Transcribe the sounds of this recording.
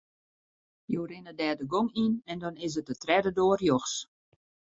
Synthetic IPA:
jorɪnədɛːdəɡoŋinɛndɔnɪs̬ət̚ətrɛdədoərjoxs

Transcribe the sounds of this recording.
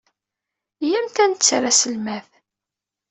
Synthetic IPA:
jæmt̪ænt̪t͡sːɾˤæsəlmæθ

